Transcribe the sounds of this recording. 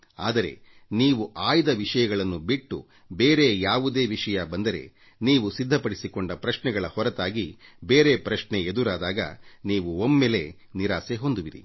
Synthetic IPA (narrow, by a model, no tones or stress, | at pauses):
a̰ːd̪ɐɾe̞̰ | niːʋuʔaːjd̪ɐʋiʂɐjɐɡɐɭɐnːubiʈːṵ | be̞ːɾe̞jaːʋud̪e̞ːʋiʂɐjɐbɐnd̪ɐɾe̞̰ | niːʋusid̪ʱːɐpɐɽisikoɳɖɐpɾɐʃnɛɡɐɭɐhɔɾɐt̪aːɡibe̞ːɾe̞pɾɐʃɳeed̪uɾaːd̪aːɡɐ̰niːʋuomːeːle̞ | niɾaːseɦo̞nd̪uʋiɾḭ